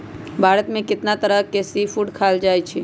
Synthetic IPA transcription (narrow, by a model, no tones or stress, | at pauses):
bʱaːɾət̪mẽkɪt̪nat̪əɾəɦkesipʰuʈkʰald͡ʒaːjt͡ʃʰi